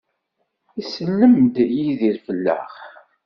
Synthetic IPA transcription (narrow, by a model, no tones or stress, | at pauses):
isəlːəmd̪jiðiɾfəlːæ̰χ